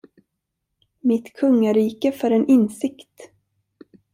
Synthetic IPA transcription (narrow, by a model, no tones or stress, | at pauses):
mɪt̪kʰɵŋːaɾiːkəfœɾɛnɪnsɪkt̪